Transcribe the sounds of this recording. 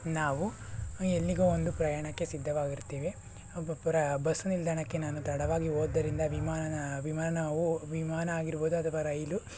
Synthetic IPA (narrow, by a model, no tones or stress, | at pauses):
naːʋuelːiɡɐond̪upɾɐjaːɳɐkːe̞sid̪ʱːɐʋaːɡiɾt̪ːeːʋe | pɾɐbɐsunild̪ʱaɳɐkːe̞naːnut̪ɐɽɐʋaːɡioːd̪ɐɾind̪ɐʋimaːʋimaːnauʋimaːnɐːɡiɾbo̞ːd̪uɐt̪ʰɐʋɐɾɐjlu